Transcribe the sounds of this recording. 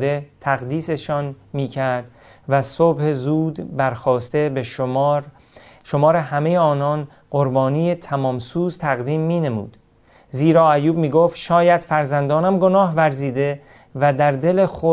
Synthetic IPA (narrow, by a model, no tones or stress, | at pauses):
d̪e̞t̪ʰæɣd̪iːse̞ʃɒːnmiːcʰæɾd̪̥ | væsobhezuːd̪bæɾxɒːst̪e̞beʃɾ | ʃo̞mɒːɾehæme̞jeɒːnɒːn | ɢ̥oɾbɒːniːjet̪ʰæmɒːmsuːzt̪ʰæɣd̪iːmːiːne̞mṵːd̪̥ | ziːɾɒːæjuːbmiːɡoːft̪ʃɒːjæd̪̥fæɾzænd̪ɒːnæmɡo̞nɒːɦvæɾziːd̪e̞ | væd̪æɾd̪e̞le̞xo